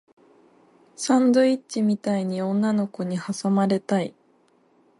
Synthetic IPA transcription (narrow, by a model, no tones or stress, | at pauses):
sãnd̪o̞itt͡ɕimʲit̪aiɲ̟iõ̞nːano̞ko̞ɲ̟ihasomaɾe̞t̪ai